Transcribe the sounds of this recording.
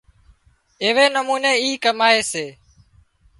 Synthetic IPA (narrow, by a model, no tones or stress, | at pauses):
ɪːʋeːnəmuːneːiːkəmaːeːseː